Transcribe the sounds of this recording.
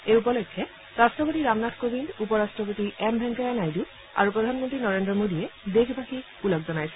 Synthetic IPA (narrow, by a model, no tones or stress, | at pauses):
ejupɔlɔjkʰːɛ | ɹastɹɔpotiɹamnatʰkobindupɔɹastɹɔpotiɛmbʱɛŋkaɹanajdu | a̰ɹupɹɔd̪ʱanmɔntɹinɔɹendɹɔmodijɛdexʰbʱaxi | ulɔkzɔnajsɛ̥